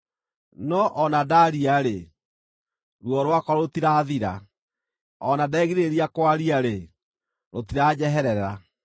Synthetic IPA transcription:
nɔʔɔnadaɾiaɾe | ɾwɔɾwakɔɾotiɾaːðiɾa̰ | ɔnadɛːɣiɾeɾiakwaɾiaɾe | ɾotiɾaːd͡ʑɛɦɛɾɛɾa

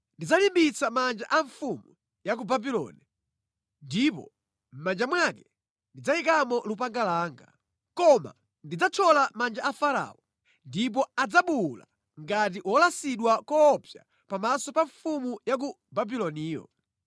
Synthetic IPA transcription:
ndid͡zalimbit͡samand͡ʒa̰ʔaɱfumu | jak̬ubabilɔ̰ni | ndipɔ̰ | m̩mand͡ʒamwakɛ | ndid͡zaikamɔlupaŋɡalaːŋɡa | kɔma̰ | ndid͡zat͡ʃʰɔlamand͡ʒaafaɾa̰ɔ | ndip̬ɔad͡zaɓula̰ | ŋɡat̬iʔwɔlasiɗwakɔpja̰ | pamasɔpaɱfumujak̬u | babilɔniːjɔ̰

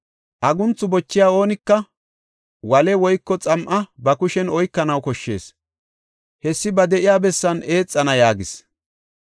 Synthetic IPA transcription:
ʔɐɡʊnt͡sːʊbɔt͡ʃːɪjaːo̞ːnɪkːɐ | wɐlɛwɔjkːɔt͡sʼɐmʔɐbɐkʊʃɛnɔjkːɐnɐwkɔʃːe̞̰ːs | hɛsːɪbɐd̪ɛʔɪjaːbɛsːɐne̞ːt͡sʼːɐnɐjaːɡɪs

